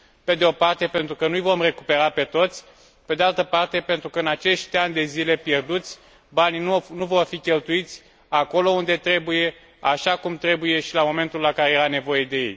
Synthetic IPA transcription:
pe̞d̪eo̞part̪e̞pe̞nt̪ɾukənujvo̞mre̞kupe̞ɾape̞t̪o̞t̪sʲ | pe̞d̪ealt̪əpart̪e̞pe̞nt̪ɾukəɨnat͡ʃe̞ʃt̪ʲanʲd̪e̞zile̞pje̞rd̪ut̪sʲ | bannnuvo̞rfikʲe̞lt̪uit̪sʲ | ako̞lo̞und̪e̞t̪ɾe̞buje̞ | aʃakumt̪ɾe̞buje̞ʃilamo̞me̞nt̪ulakaɾe̞jeɾane̞vo̞je̞d̪e̞jḛj

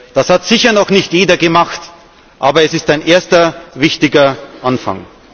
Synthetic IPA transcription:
d̥ashatz̥ɪçɐnɔxnɪçtjeːdɐɡəmaxt | ʔaːbɐɛsɪstaɪnʔeːɐstɐvɪçtɪɡɐʔanfa̰ŋ

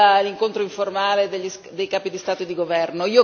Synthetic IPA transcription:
liŋkont̪ɾoiɱformaːled̪eʎːis | d̪ejkaːpid̪ist̪aːt̪od̪iɡovɛrnoiːo

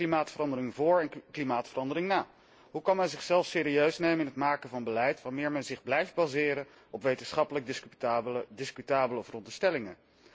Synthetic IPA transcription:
limaːtfərɑndəɾɪŋvʊːɹɛnklimaːtfərɑndəɾɪŋnaː | ɦukɑnmɛnzɪχsɛlˠfsɪːɾiøɥsnejməɪnɦətmaːkənvɑnbəlɛjtʋamɪːɹmɛnzɪχblɛjftbazɪːɾən | ɔpʋejtənsχɑpələɡ̚dɪs | dɪskytaːbələɔfrɔndəstɛlɪŋə

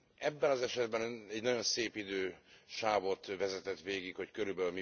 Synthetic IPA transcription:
ɛbːɛnɒzɛʃɛd̪bɛnɛɟnɒɟo̞nseːpid̪øːʃaːvot̪vɛzɛt̪ɛt̪ʋeːɡikhockøɾybɛlmi

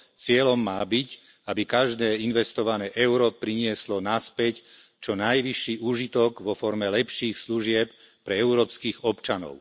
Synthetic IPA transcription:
t͡sɪɛlɔmːaːbic | abikaʒd̪ɛːinʋɛst̪ɔʋanɛːʔɛʊɾɔpɾiɲɪɛslɔnaspɛct͡ʃɔnajʋiʃːiːuːʒit̪ɔɡʋɔfɔɾmɛlɛpʃiːxsluʒɪɛp̚pɾɛɛʊɾɔːpskiːɣɔpt͡ʃanɔ̰ʊ

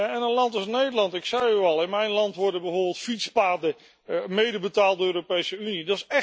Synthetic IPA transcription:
jaɛnənlɑntɪsnejdəlɑntɪksɛjyɑlˠɪnmɛjnlɑntʋɔɹdəbəvʊːɹbɪlˠtfitspaːdə | mejdəbətaːlˠdəøːropejsəynidɑsɛ

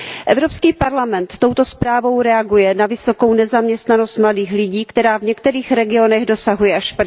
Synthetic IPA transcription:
ʔɛvɾo̞pskiːpaɾlamɛnt̪ːo̞wt̪o̞spɾaːvo̞wɾɛaɡujɛnavɪso̞ko̞wnɛzamɲɛst̪nano̞st̪mladiːxlɪɟiːkt̪ɛɾaːvɲɛkt̪ɛɾiːxɾɛɡɪo̞nɛɣdo̞saɦujɛʔaʃp

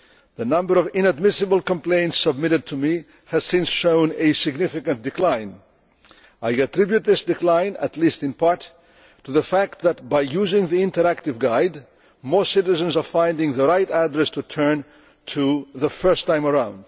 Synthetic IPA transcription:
ðɨnʌ̃mbə˞ʌvɪ̃nɨd̚mɪsɨbl̩ˠkə̃mpl̥ẽɪ̃ntsəb̚mɪɾɨd̚tʰɨmi | ɨz̥sɪ̃nsʃõʊ̃nɨsɨɡnɪfɨkɨ̃nd̥ɨkl̥ãɪ̃n | aɪɨtɹɪbjʉt̪̚ðɪsd̥ɨkl̥ãɪ̃nə̰tʰˡlistɨ̃npʰɑɹtʰː | uðəfæk̚t̪̚ðɨt̚baɪjuzɪ̃ŋðiɪ̃ntə˞æk̚tɨvɡaɪd | motsɪɾɨzɨ̃nzə˞fãɪ̃ndɪ̃ŋðəɹaɪɾædɹɛstʰutʰɜ̃˞n | tʰuðəfɜ˞stʰãɪ̃mə˞ãʊ̃nd̥

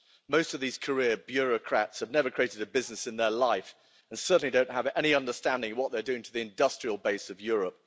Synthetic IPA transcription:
moʊstʌvðiz̥kʰə˞ɪəɹbjʊɹɨkʰɹ̥ætshɨvnɛvə˞kʰɹ̥ieɪɾɨɾɨbɪznɨsɨ̃nðə˞laɪf | ə̃nsɜ˞ʔn̩lidõʊ̃nʔ̚ɦəvɛñiʌ̃ndə˞stæ̃ndɪ̃ŋwʌt̪̚ðə˞dʉɪ̃ŋtʰəðiɨ̃ndʌstɹ̥iəlˠbeɪsʌvjʊɹəp̚

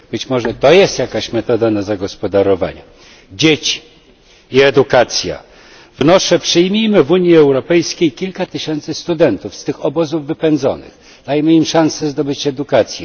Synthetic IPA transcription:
bɘt͡ɕmɔʐɛt̪ɔjɛst̪jakaɕmɛt̪ɔd̪anazaɡɔspɔd̪aɾɔva̰ɲu | d͡ʑet͡ɕi̥ | iɛd̪ukat̪sʲja̰ | vnɔʂɛpʂɘjmʲijmɘvuɲjiɛwɾɔpɛjskʲejkʲilkat̪ɘɕɛnt̪sɘst̪ud̪ɛnt̪ufst̪ɘxɔbɔzuvːɘpɛnd̪zɔ̰nɘ̰x | d̪̥ajmɘimʂãnsɛzd̪ɔbɘt͡ɕɛd̪ukat̪sʲjɛ

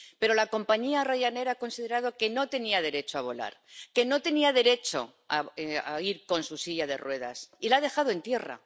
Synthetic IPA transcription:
pe̞ɾo̞lako̞mpaɲiaraʝane̞ɾaako̞nsiðe̞ɾað̞o̞ke̞no̞t̪e̞niaðe̞ɾe̞t͡ʃoaβ̞o̞la̰ɾke̞no̞t̪e̞niaðe̞ɾe̞t͡ʃo̞̰ | aa̰iɾko̞nsusiʎaðe̞̰rwe̞ða̰silað̞e̞xaðo̞e̞nt̪je̞ra̰

